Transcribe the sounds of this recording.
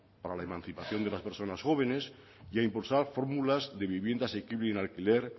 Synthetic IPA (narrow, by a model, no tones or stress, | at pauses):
paɾalaemãnθipaθjo̞nd̪elaspeɾso̞nasxo̞β̞enes | jaimpulsaɾfo̞ɾmulazðeβ̞iβje̞nd̪aːsekiβleenalkileɾ